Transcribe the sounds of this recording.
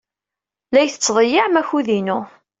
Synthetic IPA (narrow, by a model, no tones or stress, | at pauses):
læjθə̥t͡sːðˤəjəʕmæçuðinu